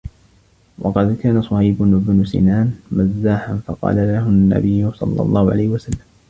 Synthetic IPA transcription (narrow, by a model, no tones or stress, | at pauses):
wɑqɑd̪kaːnasˤɑhajbʊbnʊsḭnaːnmazːaːħanfɑqɑ̰ːlalaɦʊnːa̰bɪjːʊsˤɑ̰lːɑ̰lˤːɑːhʊʕa̰lajhɪwasalːam